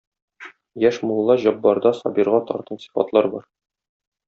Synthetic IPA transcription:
jæʃmulˠːɑʑɒbːɑɾd̪ɑsɒbiɾʁɑt̪ɒ̰ɾt̪ɤnsi̥fɑ̰t̪lˠɑɾbɒɾ

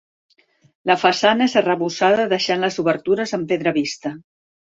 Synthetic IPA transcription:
ləfəsanəezərəβusaðəðəʃanləzuβəɾt̪uɾəzəmpeðɾəβist̪ə

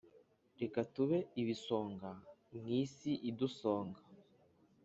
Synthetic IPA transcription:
ɾekatuβe̞iβiso̞ːŋɡaŋiːsiʔiduso̞ːŋɡa

